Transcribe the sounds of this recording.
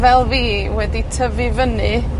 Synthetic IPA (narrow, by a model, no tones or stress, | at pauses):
vɛlˠviː | wɛditʰəvɨvənɨ